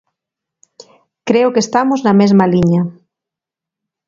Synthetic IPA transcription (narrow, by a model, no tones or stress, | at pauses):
kɾeokest̪amoznamezmaliɲa